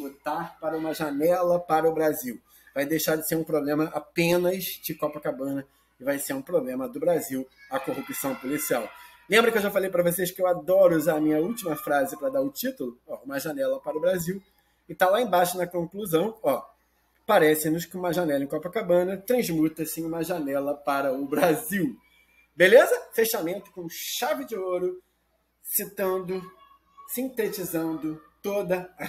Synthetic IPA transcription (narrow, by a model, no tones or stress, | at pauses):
but̪aɾpaɾɐũmɐʒanɛlɐpaɾɐʊbɾaziw | vajd̪ejʃaɾd͡ʒɪseɾũpɾoblẽmɐʔapẽnɐzd͡ʒɪkɔpɐkabɐ̃nɐ | ɪvajseɾũpɾoblẽmɐd̪ʊbɾaziwɐkohupisɐ̃w̃polisiaw | lẽmbɾɐkewʒafalejpɾɐvoseʃkɪewad̪ɔɾʊuzaɾɐmĩɲɐuwt͡ʃimɐfɾazɪpɾɐd̪aɾʊt͡ʃit̪ʊlʊɔũmɐʒanɛlɐpaɾɐʊbɾaziw | ɪt̪alaẽbajʃʊnɐkõkluzɐ̃w̃ɔ | paɾɛsɪ̃nʊskɪũmɐʒanɛlɐẽkɔpɐkabɐ̃nɐt̪ɾɐ̃zmut̪ɐsĩũmɐʒanɛlɐpaɾɐʊbɾaziw | belezɐfeʃamẽnt̪ʊ̥kõʃavɪd͡ʒɪoɾʊ | sit̪ɐ̃nd̪ʊ | sĩt̪et͡ʃizɐ̃nd̪ʊt̪od̪ɐɐ